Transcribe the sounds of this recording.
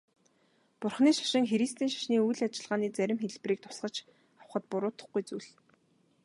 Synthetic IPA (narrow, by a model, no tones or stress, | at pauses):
pʊrχniːʃḁʃɪ̆ŋxeɾist̪iːnʃḁʃniːujɮat͡ɕɪ̆ɮʁaːniːt͡sæɾʲɪ̆mxeɮpriːk̚t̪ʰʊ̥sɢə̆t͡ɕ | awχə̆t̪pʊɾʊːt̪ə̆χɡujt͡sujɮ